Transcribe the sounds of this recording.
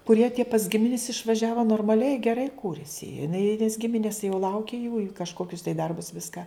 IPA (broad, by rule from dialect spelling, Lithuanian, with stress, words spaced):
kʊˈrʲiɛ tʲiɛ pɐs ˈɡʲɪmʲɪnʲɪs ɪʃʋɐˈʒʲæːʋoː noːrmɐˈlʲɛɪ ɡʲɛˈrɐɪ ˈkuːrʲɪsʲɪ jɪˈnɐɪ nʲɛs ˈɡʲɪmʲɪnʲɪs jɛʊ ˈlˠɐʊkʲɪ juː ɪ kɐʃˈkoːkʲʊs tɐɪ ˈdɐrbʊs ˈʋʲɪskɐ